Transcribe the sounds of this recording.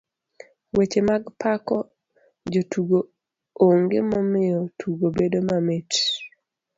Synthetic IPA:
wet͡ʃemaɡpakɔ | d͡ʒotuɡo | oŋɡemɔmɪjɔtʰuɡobedomamet

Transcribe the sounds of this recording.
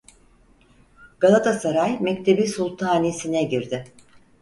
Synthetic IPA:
ɡ̥alˠat̪ʰasaɾajmɛct̪ʰe̞bisulˠt̪ʰaːnisinɛɟiɾd̪ɪ

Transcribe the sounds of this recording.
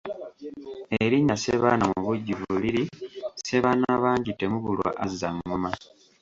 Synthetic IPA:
eɾiɲːaseβaːnamuβuɟːiβuliɾise̞βaːnaaβaːɲɟitːemuβulwa̰ʔazzaŋːuma

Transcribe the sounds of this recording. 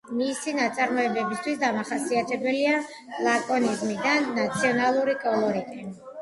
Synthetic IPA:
misinat̪sʼaɾmɔɛbɛbist̪ʰwisd̪amaχasiat̪ʰɛbɛlia | lˠakʼɔnizmid̪anːat̪sʰiɔnalˠuɾikʼɔlˠɔɾikʼɛn

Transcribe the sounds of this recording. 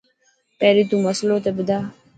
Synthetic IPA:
pɛːɾiːt̪ũːməsloːt̪ebɪd̪aː

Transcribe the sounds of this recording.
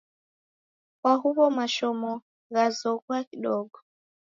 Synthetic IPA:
kwaɦuβɔmaʃɔmɔ | ɣazɔkwakiɗɔɡɔ

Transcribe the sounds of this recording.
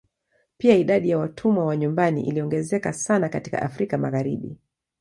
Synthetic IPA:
piaiɗaɗijawatʰumwawaɲumbanḭʔḭliɔŋɡɛzɛkasanakati̥ka̰ʔa̰fɾikamaɣaɾiɓḭ

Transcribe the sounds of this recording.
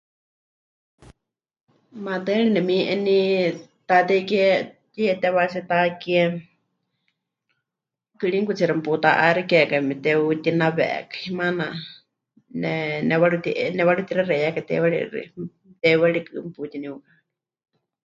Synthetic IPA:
mad̪ɛɺinɛmiʔɛnit̪at̪ɛkɛt̪iɛt̪ɛβasɛt̪akiɛ | kɨɺiŋkut͡siɾamput̪aʔaɾɛkɛkamɛt̪ɛut̪inaβɛ̰ɛ̰kḁimana | nɛnɛwaɺut̪iʔnɛwaɺut̪iɾaɾɛjakat̪ɛ̰wɛɺḭɾḭ | t̪ɛwɛɺikɨmput̪iniuka

